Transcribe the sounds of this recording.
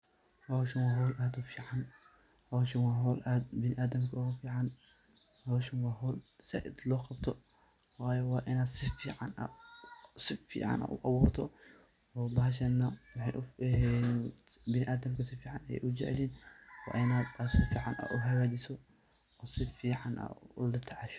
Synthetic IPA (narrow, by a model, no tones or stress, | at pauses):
hɔwʃɐnwɑːɦɔːlʔaːd̪ʊfiːʕɑn | hɔwʃɪnwɑːɦɔːlʔaːd̪̚bɪnɪʔaːd̪ɐmkʰɐɣɐfiːʕɑn | hɔwʃɪnwɑːɦɔːlsɛ̰ʔɪ̰d̪lɔːqɑb̚t̪ʰɔ | wɑːjɛwɑːʔɪnaːd̪sɪfiːʕɑ̰nʔɐ̰ | sɪfḭːʕɑ̰nʔɐ̰ʔʊ̰ʔɑwuːrt̪ʰɔ | ɔːbɐɦʃɐnːɐwɑħɑjʔʊɛ | bɪnɪʔaːd̪ɐmkʰɐsɪfiːʕɑnɐjɛ̰jʔʊt͡ʃɛʕɛ̰liːnwɑ̰ːʔɪnaːd̪bɐsɪfiːʕɑ̰nʔɐ̰ʔʊɦɐwaːd̪ɪsɔ | ɔːsɪfiːʕɑnʔɐ̰ʊlɐt̪ʰɐʕɑʃɔ̥